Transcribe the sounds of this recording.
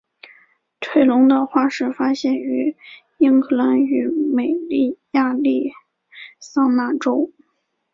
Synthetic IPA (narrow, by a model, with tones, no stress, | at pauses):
ʈ͡ʂʰwe˥˩ɪlʊ˧˥ŋd̪ə˧xwa˥ʂɻ̩˥˩fa˥ɕjɛ˥˩ny˧˥ | i˥ŋkʰɤ˥˩la˧˥ny˧˥me˨˩ɪli˥˩ja˥˧li˥˩ | sɑ˥˧ŋna˥˩ʈ͡ʂo˥ʊ